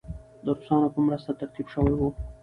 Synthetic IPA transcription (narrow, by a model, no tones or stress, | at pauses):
d̪əɾʊsɑnopəmɾəst̪at̪aɾt̪ibʃəwajwu